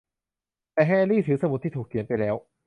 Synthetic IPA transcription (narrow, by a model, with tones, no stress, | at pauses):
t̪ɛː˨˩ɦɛː˥˧liː˥˩t̪ʰɯː˩˦sa˧mu˨˩t̪ʰːiː˥˩t̪ʰuː˨˩kʰːi˩˦ənpa˧jlɛː˦˥w